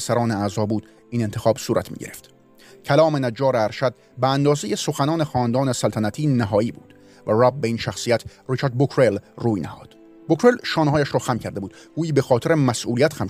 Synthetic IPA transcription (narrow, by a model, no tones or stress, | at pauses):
sæɾɒːneæzɒːbuːd̪̥ | iːne̞nt̪ʰexɒːbsuːɾʔæ̰t̪ʰmḭːɟeɾeft̪ | cʰælɒːmenæd͡ʒːɒːɾeæɾʃæd̪̥̚ | beænd̪ɒːzejeso̞xænɒːnexɒːnd̪ɒːnesælt̪ʰænæt̪ʰiːnæɦɒːiːbṵːd̪̥ | væræb̚beiːnʃæxsijæt̪ʰrit͡ʃʰæɾd̪̚bokʰɾelruːjnæ̰hɒ̰ːd̪̥ | bokʰɾelʃɒːnhɒːjæʃɾɒːxæmcʰæɾd̪e̞buːd̪ɡ̥uːjiːbexɒːt̪ʰeɾemæsʔuːliæt̪xæm